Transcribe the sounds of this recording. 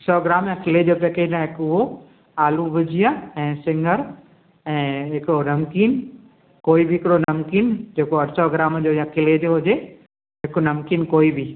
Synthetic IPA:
sɔːɡɪɾaːmjãkʰɪled͡ʑoːpeːked͡ʑãɦɪkʊɦo | aːluʋɪd͡ʑʱijaɛ̃ːsɪ̃ŋɡəɾ | ɛ̃ːɦɪkɾɐmkiːn | koːibɪɦɪkɪɽonɐmkiːnd͡ʑeːkoɐʈsɔɡɪɾaːmd͡ʑoːjãkʰɪled͡ʑoɦʊd͡ʑe | ɦɪknɐmkiːnkoːibi

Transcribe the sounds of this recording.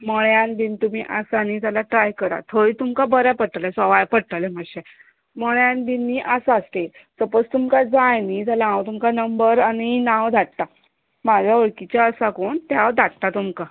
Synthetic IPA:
məɭjanb̪int̪um̤iʔasanit̪alaʈɾajkəɾa̰t̪ʰəit̪umkabəɾjapəɽʈalɛsɔʋajpəɽʈ̪aleməɕe | məɭjãnb̪inːiːʔasaəst̪et̪əpəd͡zt̪umkad͡zajnid͡z̪alãwt̪umkanəmbəɾaɽ̃inãʋd̪ʱaʈ̚t̪a | mad͡ʑʱaəɭkit͡ɕjaəsakoɳt̪jaʋd̪ʱaʈ̚t̪at̪umka

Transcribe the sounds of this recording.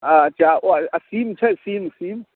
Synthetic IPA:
ad͡ʒaʔoaasiːmt͡ʃʰɛsiːmasiːm

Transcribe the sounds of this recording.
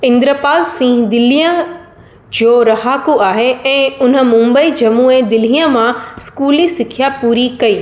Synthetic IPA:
ɪ̃nd̪ɾəpaːlsĩːɦd̪ɪl̤ijə̃ | d͡ʑoːɾɐɦaːkuaːɦeɛ̃ːʊn̤ə̆mʊ̃mbəid͡ʑɐmuːed̪ɪl̤ijə̃mãskuːlisɪkʰjapuːɾikɐiː

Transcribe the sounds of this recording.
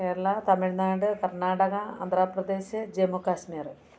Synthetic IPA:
keːɾɐɭɐt̪ɐmiɻnaːɖɨkɐrɳaːɽɐɣɐ̰ːnd̪ʱraːprɐd̪e̞ːɕɨd͡ʑemukːaːɕmiːrɨ

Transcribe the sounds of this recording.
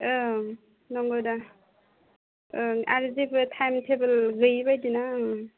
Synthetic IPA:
ɯ | nɔŋɡowda | ɯaɾzibɯtʰajmtʰebɯlɡɯjbajdina

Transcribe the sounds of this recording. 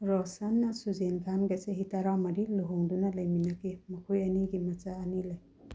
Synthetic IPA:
ɾɔsanːɐsuzenɡʰanɡɐseɦitaɾawmɐɾiluɦoŋdunɐlɐjminɐkimɐkʰojɐniɡimɐt͡ʃaɐnilɐj

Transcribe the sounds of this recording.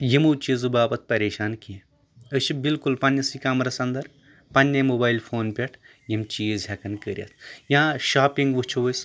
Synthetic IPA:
jimuːt͡ʃizɨbaːpɐt̪̚pɐɾʲeːʃaːnki | əʃʰibilkulpɐnʲːɐsikaːmɾɐsɐnd̪ɐɾ | pɐnʲːɐmoːbaːjlpʰoːnpʲeʈʰ | jimt͡ʃiːzɦʲɐkɐnkəɾʲjɐ̰t̪ʰjãːʃaːpiŋɡʋut͡ʃʰuʋəsʲ

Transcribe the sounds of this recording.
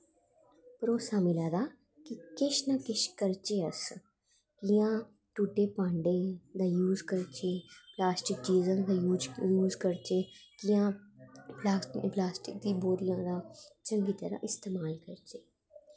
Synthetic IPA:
pɾoːsaːmɪlaːd̪aː | kikɪʃnakɪʃkəɾt͡ʃeəs | kijãː | ʈuːʈːeːpãːɳɖeːd̪aːjuːzkəɾt͡ʃeplaːsʈɪk̚d͡ʒiːzãːd̪ad͡ʒjuːzkəɾt͡ʃeːkijãːplaːplaːsʈɪk̚d̪iːboːɾijãːd̪aːt͡ʃɐ̃ŋɡiːt̪əɾa̰ʔɪst̪eːmaːlkɐɾt͡ʃeː

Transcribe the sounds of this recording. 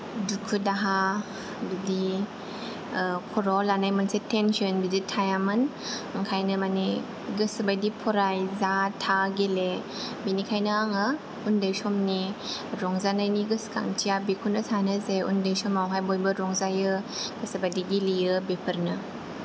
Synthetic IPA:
dukʰudaɦa | bidi | kʰɔɾɔlanajmansetensɔnbiditʰajamɯnɯŋkʰajnɯmane | ɡɯsbajdipʰɔɾajzatʰaɡele | binikʰajnɐaŋɯ | undajsɔmniɾɔŋzanajniɡɯska̰ŋtʰijabekʰunɐsʰanɐzeṵndajsɔmawɦajbojbɐɾɔŋzajɯɡ̥ɯsɐbadiɡiliɯbepʰəɾnɯ

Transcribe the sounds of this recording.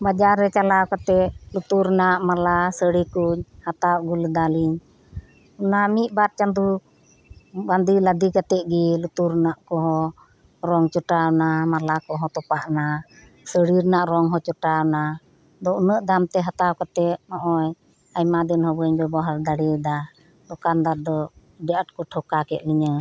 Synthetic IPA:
bad͡ʒaɾːɛt͡ʃalawkat̪ɛʔlut̪uɾnaʔmalasəɽikuɲhat̪awʔɡuld̪aliɲ | unamiʔ̪̚ˀbat̪̚t͡ʃand̪u | band̪ilad̪ikat̪ɛʔɡilut̪uɾnaʔkɔɦɔ | ɾɔŋt͡ʃɔʈawnamalakɔɦɔt̪ɔpaʔna | səɽiɾnaʔɾɔŋɦɔt͡ʃɔʈawna | d̪ɔnəʔd̪amt̪ɛɦat̪awkat̪ɛʔnɔʔɔj | ajmad̪inhɔbəɲbɛbɔɦaɾd̪aɽid̪a | d̪ɔkand̪aɾd̪ɔ | ɖɛʔaʈ̚kɔʈʰɔkakɛt̪̚liɲə

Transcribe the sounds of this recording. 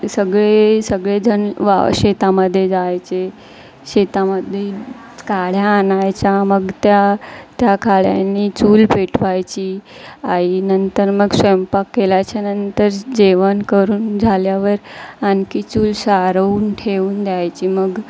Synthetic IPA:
səɡɭesəɡɭed͡zənʋa̰ɕet̪aməd̪ʱːjed͡zajt͡se | ɕet̪aməd̪ʱːe | kaɭ̤jaːnajt͡ɕaməɡt̪jat̪jakʰaɭja̰nːiːt͡suːlpeʈʰpajt͡ɕiːainənt̪əɾməɡsempakːelajt͡ɕanənt̪əɾd͡ʑeʋənkəɾuːnd͡zʱaljaʋəɾankiːt͡suːlsaɾəuːnʈʰeuːnd̪jajt͡ɕiːməɡ

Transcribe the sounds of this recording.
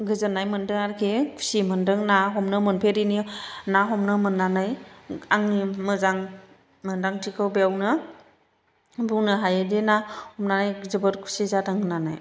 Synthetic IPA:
ɡɯzənːajmɯndɯŋaɾkʰikʰu̥simɯndɯŋnaɦɔmnɯmɯnpʰeɾininaɦɔmnɯmɯnːanajaŋimɯzaŋ | mɯndaŋtʰikʰɯwbeawnɯ | bunɯɦajɯdenahɔmnanajɡzɯbɯɾkʰu̥sizataŋnana̰j

